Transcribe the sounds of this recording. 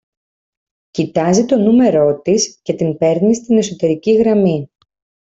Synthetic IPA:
cit̪ɐzit̪o̞nume̞ɾo̞t̪isce̞t̪impe̞ɾnist̪ine̞so̞t̪e̞ɾiciɣɾɐmi

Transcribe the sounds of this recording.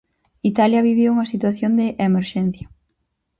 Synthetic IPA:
it̪aljɐβiβ̞iuŋɐsit̪waθjond̪ɪʔemeɾʃɛn̟θjɐ

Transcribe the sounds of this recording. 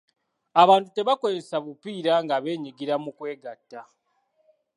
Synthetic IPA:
aβaːntute̞βako̞zesaβupiːɾaŋɡaβe̞ːɲiɡiɾamukwe̞ːɡatːa

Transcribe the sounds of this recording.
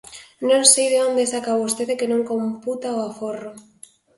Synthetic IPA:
nõnsejðeond̪esakaβost̪eðekenõŋkomput̪aoaforo

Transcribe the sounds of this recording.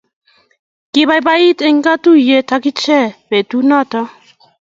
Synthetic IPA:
kiβajbait̪eŋɡat̪ujet̪akit͡ʃɛbet̪unat̪a

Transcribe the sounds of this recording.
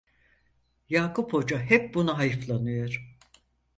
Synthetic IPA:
jaːkʰupʰho̞d͡ʒaɦɛp̚bunaɦajɯflˠanɯjo̞ɾ̥

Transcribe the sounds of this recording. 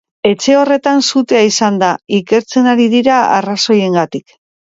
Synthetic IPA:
e̞t͡ʃe̞o̞re̞t̪ansut̪e̞aisand̪aike̞ɾt͡se̞naɾiðiɾaa̰raso̞je̞ŋɡat̪ik

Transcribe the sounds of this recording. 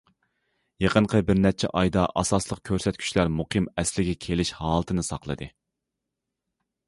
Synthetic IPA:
jeqənqʰəbɪɾnɛt͡ʃʰɛ̰ʔɑjd̪ɑʔɑsɑslˠəq̚kʲʰøɾsɛt̪̚kʲʰy̥t͡ʃlæɾmuqʰimɛslɪɡʲɛkʲʰelɪʃhɑːlˠɨt̪ʰɨnɨsɑqlˠɨ̰d̪ɨ

